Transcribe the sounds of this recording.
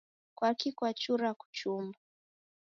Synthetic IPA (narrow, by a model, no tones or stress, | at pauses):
kwakikwat͡ʃuɾaku̥t͡ʃumba